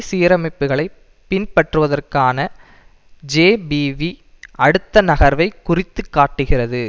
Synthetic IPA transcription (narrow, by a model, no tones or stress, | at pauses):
siːɾɐmɐɪpːɯɣɐɭɐɪ | pɪnpɐʈrɯʋɐðɐrkaːnɐ | d͡ʒeːbiʋi | ɐɽɯt̪ːɐnɐɣɐɾʋɐɪkːʊrɪt̪ːɯkːaːʈːɯɣɪrɐðɯ